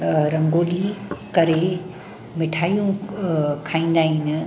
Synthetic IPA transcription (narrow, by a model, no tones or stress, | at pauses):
ɾɐ̃ŋɡoːlikɐɾe | mɪʈʰaːjũ | kʰaːĩːn̆d̪aːɦinɪ